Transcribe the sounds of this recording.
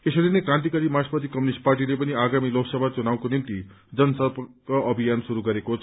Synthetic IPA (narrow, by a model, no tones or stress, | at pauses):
esʌɾenekɾãnt̪̬ikʌɾimaspʌt̪ikʌmjunisʈ̚parʈ̬ilepʌniaɡamiloksʌbʱat͡sunaw̃konimt̪i | d͡zʌnsʌbkaʔʌbʱijansuɾuɡʌɾekot͡sʰ